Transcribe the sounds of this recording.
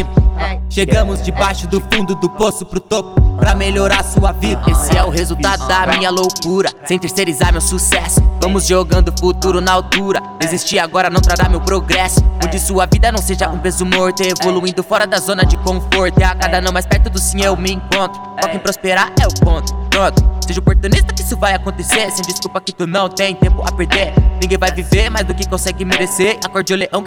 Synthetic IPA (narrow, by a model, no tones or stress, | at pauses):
pʊʃeɡɐ̃mʊzd͡ʒɪbajʃʊd̪ʊfũd̪ʊd̪ʊposʊpɾʊt̪opʊpɾɐmeʎoɾaɾsuɐvid̪ɐesɪɛʊhezuwt̪ad̪ʊd̪ɐmĩɲɐlowkuɾɐsẽj̃t̪eɾseɾizaɾmewsusɛsʊ̥vɐ̃mʊzʒoɡɐ̃nd̪ʊfut̪uɾʊnɐawt̪uɾɐ | ezist͡ʃiaɡɔɾɐnɐ̃w̃p̪ɾaɾamewpɾoɡɾɛsʊ̥kõd͡ʒɪsuɐvid̪ɐnɐ̃w̃seʒɐũpezumoɾt̪eevoluĩnd̪ʊfɔɾɐd̪ɐzõnɐd͡ʒɪkõfoɾt̪ɪakad̪anɐ̃w̃maspɛɾt̪ʊd̪ʊsĩɲewmɪẽkõnt̪ɾʊkɔkẽpɾospeɾaɾɛʊpõt̪ʊ̥pɾõt̪ʊseʒɐʊopoɾt̪unist̪ɐkɪisʊvajakõnt̪eseɾsẽd͡ʒiskupɐkɪt̪unɐ̃w̃t̪ẽj̃t̪ẽmpʊɐ̰peɾd̪eɾnĩɡẽj̃vajviveɾmajzd̪ʊkɪkõsɛɡɪmeɾeseɾakoɾd͡ʒewleʔɐ̃w̃